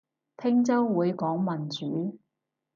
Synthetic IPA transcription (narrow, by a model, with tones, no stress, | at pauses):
t̪ʰɪ˥ŋt͡sɐ˥wwuː˨˧jkɔː˨˥ŋmɐ˨˩nt͡ʃyː˨˥